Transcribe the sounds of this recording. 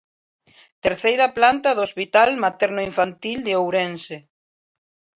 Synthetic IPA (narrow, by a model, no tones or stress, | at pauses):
t̪eɾθejɾaplant̪aðospit̪almat̪ɛɾnʊiɱfant̪ild̪eowɾense